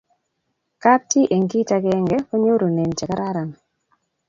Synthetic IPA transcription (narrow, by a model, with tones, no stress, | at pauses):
ka˦ti˦ʔe˨ŋki˦ta˧kɛ˦ŋɡɛ˦ko˦ɲo˦ɾo˨ne˨nt͡ʃɛ˨ka˦ɾa˦ɾa˨n